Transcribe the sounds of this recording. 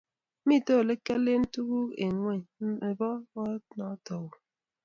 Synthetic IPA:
mi˦˨to˦˨le˦ke˦le˦n̩˦tu˦ɣu˦e˨ŋwɛ˦˨e˨bɔ˦ɔ˦nɔ˨˦tɔ˨wo˨

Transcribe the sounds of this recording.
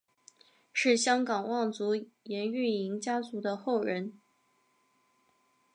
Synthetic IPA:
ʂɻ̩˥˩ɕjɑ˥ŋkɑ˨˩ŋwɑ˥˩ŋt͡su˧˥jɛ˧˥ny˥˩i˧˥ŋt͡ɕja˥t͡su˧˥d̪ə˧xo˥˩ʊɻə˧˥n

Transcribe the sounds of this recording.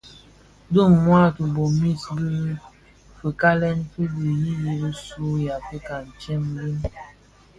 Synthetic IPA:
də˦˨ŋmwa˦tu˨bo˨mi˦˨tbi˦ | fə˨ka˦lɛ˦nfe˦bi˨ji˦ji˦bi˦su˦ja˨fe˦ka˨n̩˨t͡ʃɛ˦mli˦n

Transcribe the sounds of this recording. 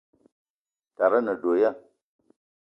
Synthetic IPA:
ta˨ɾa˦na˨do˨ja˦˨

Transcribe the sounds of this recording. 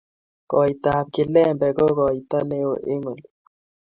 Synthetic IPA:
kɔ˨i˨t̪a˨p̚kɪ˨lɛ˦˨mbɛ˨kɔ˦kɔ˨i˨t̪a˦ne˦o̰˨ʔe˦ŋo˨li˨

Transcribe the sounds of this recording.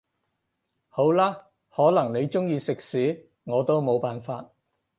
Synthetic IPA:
ho˨˥wlaː˥ | hɔː˨˥lɐ˨˩ŋne˨˧jt͡ʃʊ˥ŋjiː˧sɪ˨k̚siː˨˥ | ŋɔː˨˧t̪o˥wmo˨˧wpaː˨˩nfaː˧t̚

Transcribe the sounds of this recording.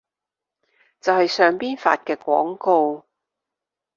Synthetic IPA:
t͡sɐ˨whɐ˨jsœː˨ŋpiː˥nfa̰ː˧t̚kɛː˧kʷɔː˨˥ŋko˧w

